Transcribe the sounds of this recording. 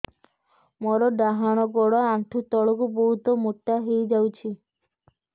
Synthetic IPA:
mɔɾɔɖaɦaɽ̃ɔɡɔɽɔaɳʈʰut̪ɔɭɔkubɔɦut̪ɔmoʈːaɦejd͡ʒawt͡ʃʰi

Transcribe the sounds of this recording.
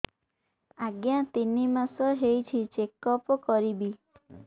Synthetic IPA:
aɡjat̪inimasɔɦejt͡ʃʰit͡ʃekɔpɔkɔɾibi

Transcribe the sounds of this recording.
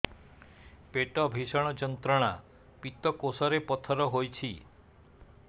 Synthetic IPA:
peʈɔbʱisɔɽ̃ɔd͡ʒɔnt̪ɾɔɽ̃a | pit̪ɔkosɔɾepɔt̪ʰɔɾɔɦojt͡ʃʰi

